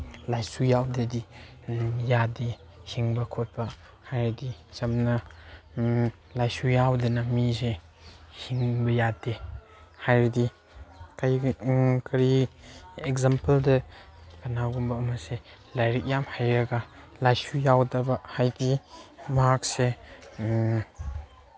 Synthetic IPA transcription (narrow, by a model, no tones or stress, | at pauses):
lajsujawdedi | jade | hiŋbakʰɔt̚b̥a | hajɾdit͡ʃɐmna | lajsujawdenamize | hiŋbɐjade | hajɾdi | kajkʰɐɾi | ɛkzampəldɐkanaɡumbaːmase | lajɾik̚jamhajɾɐɡa | lajsujawdabahajdimaak̚se